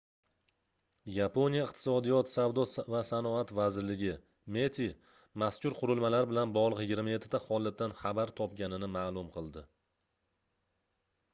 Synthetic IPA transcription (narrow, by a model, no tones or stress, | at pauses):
japo̞nijaɪqt̪ʰɪ̥sɒd̪ijɒt̪savd̪ɒvasanɒat̪vazɪɾlɪɡʲɪ | me̞t̪ʰi | maskʲʊɾqʰʊɾʊlˠmalaɾbɪlanbɒʁlˠəqjɪɡʲɪɾmajet̪ʰːɪ̥t̪aχɒlˠːat̪ːanχabaɾt̪ʰɒpɡʲanɪnɪmaːlˠʊmqʰɨlˠd̪ɪ